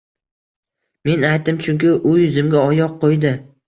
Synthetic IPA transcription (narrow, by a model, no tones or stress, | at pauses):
me̞najt̪ɪmt͡ʃʰʊŋkʲɪʔʊjʊzɪmɡʲaɒjɒqʰːojd̪ɪ